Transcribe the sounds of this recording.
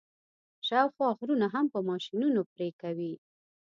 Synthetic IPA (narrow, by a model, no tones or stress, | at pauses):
ʃawxwɑxɾunaɦampəmɑʃinunopɾekawi